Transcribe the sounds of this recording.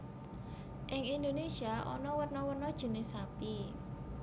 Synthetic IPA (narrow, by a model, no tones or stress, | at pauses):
ʔɪŋind̪onesiaʔɔ̰nɔwərnɔwərnɔd̥ʒ̥ə̤nɪsapi